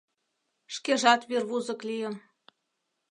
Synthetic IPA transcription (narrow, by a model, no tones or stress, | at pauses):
ʃkeʒɑt̪βirβuzɤ̆klijə̆n